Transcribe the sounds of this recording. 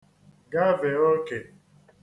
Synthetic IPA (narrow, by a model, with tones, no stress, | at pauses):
ɡa˦ve˨o˦ke˨